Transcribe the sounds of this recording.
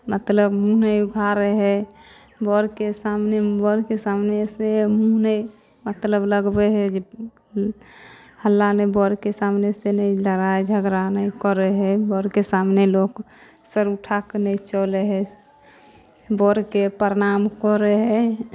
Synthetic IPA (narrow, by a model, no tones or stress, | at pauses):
mət̪ləbmũnəjuɡʱaɾɛɦɛ | bɔɾkesamnebɔɾkesamnesemunəj | mət̪ləbləɡbɛɦɛd͡ʒe | həlːanebɔɾkesamnesenəiləɾaed͡ʒʱəɡɾanəjkɔɾɛɦɛbɔɾkesamnelok | səɾuʈʰakenəit͡ʃɔleɦɛ | bɔɾkepəɾnamkɔɾɛɦɛ